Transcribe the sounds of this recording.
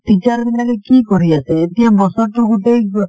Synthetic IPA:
ʈit͡ʃaɾbilakekikɔɾiasʰeːt̪ijãbɔsɔɾʈuɡoʈej

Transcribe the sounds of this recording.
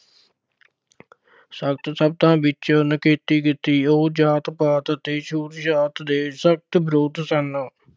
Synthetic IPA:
sək̚t̪səb̚t̪ãːbɪt͡ʃnəkeːt̪iːkɪt̪ːiːoːd͡ʒaːt̪paːt̪t̪eːʃʰuːɾd͡ʒaːt̪d̪eːsək̚t̪bɾoːd̪sən

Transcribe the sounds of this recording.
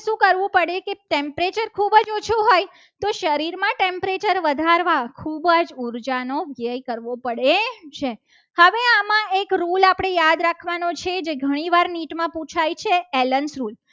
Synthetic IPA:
ʃũkəɾʋũpəɽekeʈempɾet͡ʃəɾkʰubəd͡ʒot͡ʃʰuɦoj | t̪oʃəɾiɾmãʈempɾet͡ʃəɾʋəd̪ʱaɾʋakʰubəd͡ʒuɾd͡ʒanoʋjəjkəɾʋopəɽet͡ʃʰe | həʋeamãekɾulapɽ̃ejad̪ɾakʰʋanot͡ʃʰed͡ʒeɡʱəɽ̃iʋaɾniʈmãpũt͡ʃʰajt͡ʃʰeelənsɾul

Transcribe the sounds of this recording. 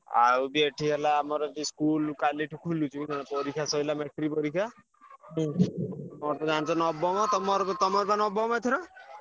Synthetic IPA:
a̰wbeʈʰiɦelaːmɔɾɔt̪iskulkaliʈʰukʰulut͡ʃʰukinanapɔɾikʰasɔilameʈɾipɔɾikʰa | mɔt̪ɔd͡ʒant͡ʃɔnɔbɔmɔt̪ɔmɔɾt̪ɔmɔɾɔpanɔbɔmajt̪ʰɔɾɔ

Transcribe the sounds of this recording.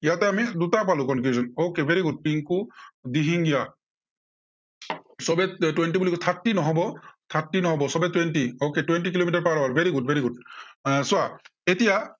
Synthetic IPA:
ijatɛamidutapalʊkɔnkiuzɔnokebeɹiɡud̚piŋkud̪iɦiŋɡija | sɔbɛtwɛnʈibulikɔt̪ʰatːinɔɦɔbɔt̪ʰatːinɔɦɔbɔsɔbɛtwɛntioketuwɛnʈikilomitaɹpaɹɔaɹbʱeɹiɡut̚beɹiɡudswaetija

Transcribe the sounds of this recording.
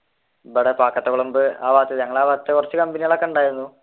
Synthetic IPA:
bɐɽepaːkːɐt̪ːɐkoɭɐmbɨa̰ːʋaːt̪jɐðɲɐŋːɐɭaːʋaːt̪ɐt̪ːekurɐt͡ɕːɨkɐmbɐnijɐɭɐkːɐuɳɖaːjiɾunːu

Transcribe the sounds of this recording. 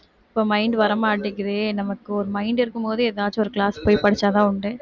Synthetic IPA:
ɪpːoːmɐɪɳɖʋɐɾɐmaːɐɽːɪkːɐðɯnɐmɐkːɯɔɾɯmɐɪɳɖɪɾɯkːɯmpoːðɯɛðaːt͡ʃːɔɾɯkɭaːspoːjpɐɽɪt͡ʃːaːðãːʊɳɖɯ

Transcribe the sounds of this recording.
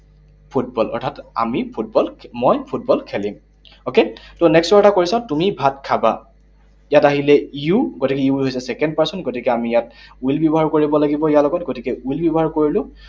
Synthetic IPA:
pʰut̚bɔlɔ̰ɹtʰata̰mipʰut̚bɔlmɔjpʰut̚bɔlkʰɛlim | oketonɛkstwaɹtakoɹisɔtumibʱatkʰaba̰ | jataɦilɛiuɡotikɛiuɦojsɛsɛkɛndpasɔnɡotikɛamijatuilbjɔbɔɦaɹkoɹibɔlaɡibɔijalɔɡɔtɡotikɛuilbjɔbɔɦaɹkoɹilʊ̃

